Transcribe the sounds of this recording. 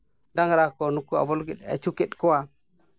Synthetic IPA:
daŋɾakonukːua̰bolɡiɗa̰t͡ʃukeɗkuwa

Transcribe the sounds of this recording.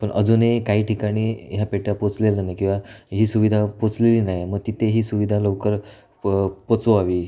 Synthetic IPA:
pəɳʔəd͡zunekaɦiːʈʰikaɽ̃iːɦjapeʈjapot͡slelənajkĩw̃ʋaɦiːsuʋid̪ʱapot͡sleliːnajməɡ̚t̪it̪ʰeɦiːsuʋid̪ʱaləwkəɾ | pot͡soaʋiː

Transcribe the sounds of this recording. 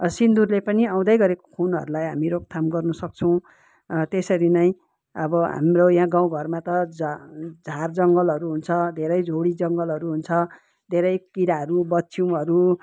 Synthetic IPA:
sind̪urlepʌniãw̃d̪ʌjɡʌɾeko̥kʰonʌ̰ɾulajɦamiɾok̚t̪ʰamɡʌrnʌsʌk̚t͡sʰʌw̃ | t̪esʌɾinʌj̃ | ʌbʌɦa̰mrojɦãɡãw̃ɡʱʌrmat̪ʌd͡zd͡zʱard͡zʌŋɡʌlʌɾuɦunt͡sʰʌd̪ʱeɾʌjd͡zʱoɽid͡zʌŋɡʌlɦʌɾuɦunt͡sʰʌ | d̪ʱeɾʌjkiɾaɦʌɾubʌtːsʰiw̃ɦʌɾu

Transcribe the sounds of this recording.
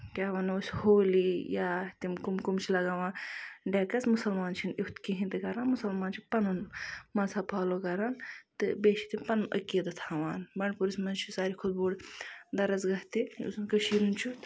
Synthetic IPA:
kʲaːʋɐnoːsʲhoːlijat̪imkumkumt͡ʃʰilɐɡaʋãːɖekɐt͡smusɐlmaːnt͡ʃʰinikt̪kiɦĩt̪ɨkɐɾaːnmusɐlmaːnt͡ʃʰipɐnunmɐsʰapʰaːlokɐɾaːnt̪ɨbeːʃit̪impɐnunʔə̰kːed̪ɨt̪ʰaːʋaːnbɐɳpuɾismɐnzt͡ʃʰisaːɾikʰud̪̚boːld̪ɐɾɐt͡sɡɐɦt̪iṵsunkɐʃiːɾunt͡ʃʰut̪

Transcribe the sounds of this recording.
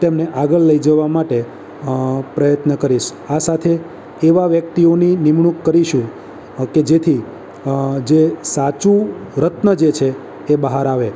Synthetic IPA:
t̪emneʔaɡəɭləid͡ʒəʋamaʈe | pɾəjət̪nəkəɾiʃ | asat̪ʰeː | ʋaʋjək̚t̪ioninimɳukːəɾiʃũ | ked͡ʒet̪ʰi | d͡ʒesat͡ʃũɾət̪nəd͡ʒet͡ʃʰeː | bəɦaɾaʋe

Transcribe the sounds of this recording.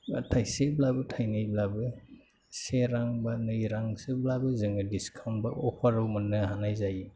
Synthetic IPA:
atʰajseblabɯtʰajnɯjblabɯ | seɾaŋbanɯjɾaŋseblabɯzɯŋɯdiskʰawnbaʔɔpʰaɾawmɯnːɯhanajzaji

